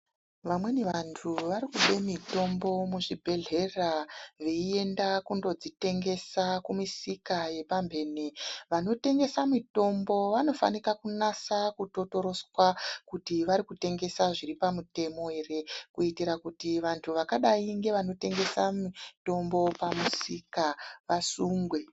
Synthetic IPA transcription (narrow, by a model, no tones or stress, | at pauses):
ʋamwe̞neʋantʰuʋaɾikuɓe̞mito̞mbo̞muʐibʱe̞ɮe̞raʋeie̞ndakundo̞d͡zite̞ŋɡe̞sakumisikaje̞pambʱe̞ːneʋano̞te̞ŋɡe̞samito̞mbo̞ʋano̞fa̰nikakunasakuto̞to̞ɾo̞swakutiʋaɾikute̞ŋɡe̞saʐiɾipamute̞mo̞ɦe̞re̞kuitiɾakutiʋantʰuʋakaɗaiŋɡe̞ʋano̞te̞ŋɡe̞samito̞mbo̞pamusikaʋasuːŋɡwe̞